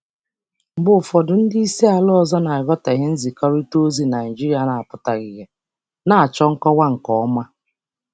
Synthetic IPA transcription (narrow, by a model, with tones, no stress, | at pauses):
ŋ͡m̩˨ɡ͡bʊ˨fɔ˨dʊ˨n̩˦di˦i˦si˦a˨lɔ˦ɔ˨zɔ˦na˨ɪ˨ɣɔ˦ta˨ɣɪ˦n̩˦zi˨kɔ˦ɾi˦to˦zi˦na˨d͡ʒi˦ɾi˦a˨na˨a˨pʊ˨ta˨ɡɪ˨ɣe˨ | na˨a˨t͡ʃɔ˦ŋ̩˦kɔ˦wa˦ŋ̩˨kɔ˦ɔ˦ma˦